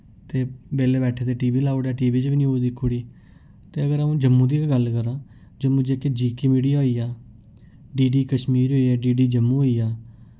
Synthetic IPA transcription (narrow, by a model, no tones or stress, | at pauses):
t̪eːbeːleːbɛːʈʰeːt̪eːʈiːʋiːlaːoɽaːʈiːʋiːd͡ʒbiːnĩːɦod̪ɪkʰːoːɽiː | t̪eːəɡəɾaũːd͡ʒəmːũːd̪iːɡəlkəɾãː | d͡ʒəmũd͡ʒeːked͡ʒiːkiːmiːɖijaːɦoːiːaː | ɖiːɖiːkəʃmiːɾɦoːiːaːɖiːɖiːd͡ʒəmːũːoːiːaː